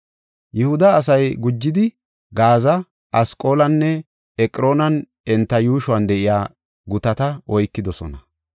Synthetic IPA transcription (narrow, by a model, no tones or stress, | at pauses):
jɛhʊd̪ɐːs̬ɐjɡʊd͡ʒːɪd̪ɪ | ɡaːzɐ | ʔɐskʼo̞ːlɐnːɛ | ɛkʼɾo̞ːnɐn | ɛnt̪ːɐjuːʃʊwɐnd̪ɛʔɪjaː | ɡʊt̪ɐt̪ɐʔɔjkːɪd̪ɔsɔ̰nɐ